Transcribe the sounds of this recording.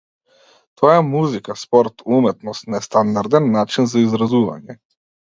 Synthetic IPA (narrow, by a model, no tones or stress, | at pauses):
t̪ʰɔjamuzikaspɔɾt̪umɛt̪nɔst̪nɛst̪and̪aɾd̪ɛnːat͡ʃinzaizɾazuva̰ɲɛ